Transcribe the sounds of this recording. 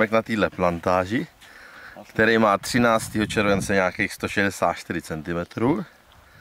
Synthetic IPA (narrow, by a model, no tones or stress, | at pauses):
mɛknat̪iːdlɛplant̪aːʒɪ | kt̪ɛɾɛjmaːt̪r̝̥ɪnaːt͡st̪iːɦot͡ʃɛɾvɛnt͡sɛɲaːkejxst̪o̞ʃɛdɛsaːt̪̚t͡ʃt̪ɪɾɪt͡sɛnt̪ɪmɛt̪ɾuː